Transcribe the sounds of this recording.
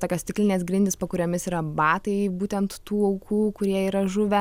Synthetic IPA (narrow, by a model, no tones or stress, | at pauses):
t̪oːkʲost̪ʲɪklʲɪnʲeːsɡɾʲɪnʲd̪ʲɪspɐkʊɾʲoːmʲɪsiːɾɐbɑːt̪ɐɪbuːt̪ʲɛnt̪tuːɐʊkʰuːkʊɾʲiɛiːɾɐʒʊʋʲɛ